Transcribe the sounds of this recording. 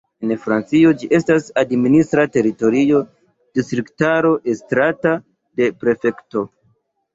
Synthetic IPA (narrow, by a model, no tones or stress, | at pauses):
enfɾant͡sio̞d͡ʒiʔe̞stasadministɾate̞ɾito̞ɾio̞ | d̥istɾiktaɾo̞ʔe̞stɾata | de̞pɾe̞fe̞kto̞